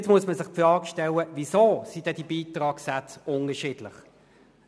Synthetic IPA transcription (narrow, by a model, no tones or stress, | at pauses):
t͡smuəsməsɪχpfɾɑːɡʃtɛləvisoːsid̥̪ɛd̥ibiːtʁɑːksat͡sʊnəʃiːd̥lɪχ